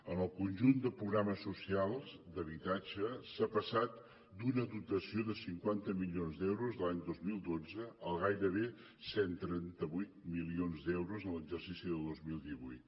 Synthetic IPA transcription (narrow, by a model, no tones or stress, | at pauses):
ənəlˠkunʲʒund̪əpɾuɣɾaməsːusialˠzd̪əβ̞it̪ad͡ʒəsapəsat̪ | d̪unəðut̪əsioðəsiŋkwant̪əmilionzd̪ɛwɾuzðəlaɲd̪ozmilˠd̪od͡zəəlˠɣajɾəβ̞e | sɛnt̪ɾɛnt̪əβujt̪milionzd̪ɛwɾuzənləɡʒərsisiðəlˠd̪ozmilˠd̪iβujt̪